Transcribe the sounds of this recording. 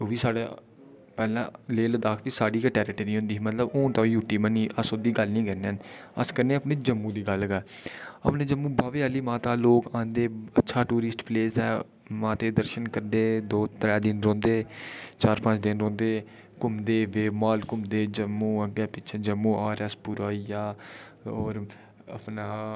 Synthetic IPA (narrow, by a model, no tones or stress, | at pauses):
oːʋiːsaːɽaː | pɛːlã̰ːleːld̪aːkʰt̪iːsaːɖiːkəʈɛːɾɪʈəɾiːɦʊ̃nd̪iːmət̪ləbõːt̪ãːjuːʈiːməniːʔəsoːd̪iːɡəlnĩːkənenə̰skəɾnẽːəpneːd͡ʒəmːũːd̪iːɡəlːɡaːə̰pneːd͡ʒəmːũːbaːʋeːaːliːmãːt̪aːloːkãːnd̪eːətːʃʰaːʈuːɾɪsʈpleːsɛː | mãːt̪eːd̪əɾʃənkəɾd̪eːd̪oːt̪ɾɛːd̪ɪnɾõːnd̪eːt͡ʃaːɾpə̃t͡ʃd̪ɪnɾõːnd̪eː | kʊmd̪eːʋeːmaːlkʊmd̪eːd͡ʒəmːũːəɡɛːpɪːt͡ʃʰeːd͡ʒəmːũːaːɾəspuɾaːijaː | oːɾ | ə̰pnaː